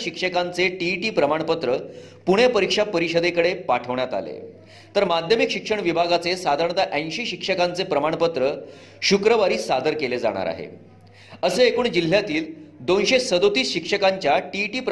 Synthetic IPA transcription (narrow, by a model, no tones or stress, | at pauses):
ɕikʂəkant͡seʈiʈiːpɾəmaɳ̃pət̪ɾə | puɽ̃epəɾikʂapəɾiɕəd̪ekəɽepaʈʰəʋɳjat̪a̰lḛ | t̪əɾmad̪ʱjəmikɕikʂəɳʋibʱaɡat͡sesad̪ʱaɾɳ̃t̪aʔə̃j̃ɕiɕikʂəkant͡sepɾəmaɳpət̪ɾə | ɕukɾəʋaɾiːsad̪əɾkeled͡za̰ɽ̃a̰ɾa̰ɦḛ | əsəekuːɳd͡ʑil̤ːjat̪iːld̪onɕesəd̪ot̪iːsɕikʂəkaɲt͡ɕjaʈiʈiːpɾ